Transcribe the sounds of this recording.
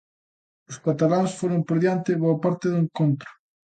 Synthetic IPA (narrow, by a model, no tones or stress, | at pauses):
ʊskat̪alansfoɾompoɾðjant̪ɪβoapaɾt̪eðʊeŋkont̪ɾʊ̥